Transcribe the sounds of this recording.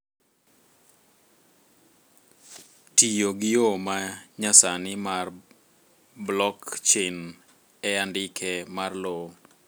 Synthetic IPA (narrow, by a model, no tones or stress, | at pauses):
tijoɡɪjomaɲasanɪmar | blɔkt͡ʃɪn | ɛandɪkʰɛmarlo